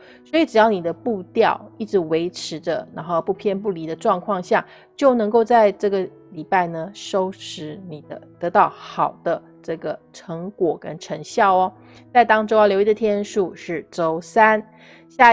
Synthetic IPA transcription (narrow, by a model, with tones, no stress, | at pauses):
swɔ˧˥i˧˥ʈ͡ʂɻ̩˨˩jɑ˥˩ʊni˨˩d̪ə˦pu˥˧t̪jɑ˥˧ʊi˥˩ʈ͡ʂɻ̩˧˥we˧˥ɪʈ͡ʂʰɻ̩˧˥də̰˧na˧˥nxo˥˧ʊpu˥˧pʰjɛ˥˧npu˥˩li˧˥d̪ə˧ʈ͡ʂwɑ˥˧ŋkʰwɑ˥˧ŋɕja˥˩ | t͡ɕjo˥˩ʊnɤ˧˥ŋko˥˧ʊt͡sa˥˧ɪʈ͡ʂɤ˥˩ɡə˩ | li˨˩pa˥˩ɪnə˩ʂo˥ʊʂɻ̩˧˥ni˨˩d̪ə˧˦t̪ɤ˧˥t̪ɑ˥˩ʊxɑ˨˩ʊd̪̥ə˦ | ʈ͡ʂɤ˥˩ɡə˩ʈ͡ʂʰɤ˧˥ŋkwɔ˨˩kə̰˥nʈ͡ʂʰɤ˧˥ŋɕjɑ˥˩ʊɐ˩ | t͡sɪt̪ɑ˥ŋʈ͡ʂo˥ʊa˥˩ljo˧˥i˧˥d̪ə˧˩t̪ʰjɛ˥nʂu˥˧ʂɻ̩˥˩ʈ͡ʂo˥ʊsa˥n | ɕja˥˧